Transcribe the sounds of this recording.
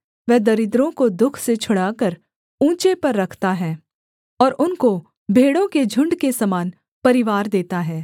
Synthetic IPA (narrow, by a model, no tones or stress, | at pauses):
ʋɛɦd̪ɐɾɪd̪ɾõkod̪ʊkʰset͡ʃʰʊɽakəɾ | ũːt͡ʃepɐɾːɐkʰt̪aɦɛː | ɔːɾʔʊnko | bʱeːɽõked͡ʒʱʊ̃ɳɖkesɐmaːn | pɐɾɪʋaːɾd̪eːt̪aɦɛː